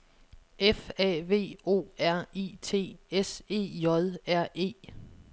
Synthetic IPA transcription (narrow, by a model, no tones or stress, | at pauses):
efɛ̰ʋe̝̰ːo̝̰ːæɐ̰iːt͡sʰe̝̰ːese̝̰ːjɒ̽ðˠæɐ̰e̝̰ː